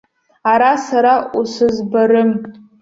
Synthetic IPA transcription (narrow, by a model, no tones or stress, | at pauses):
aɾasaɾausɨzbaɾɨm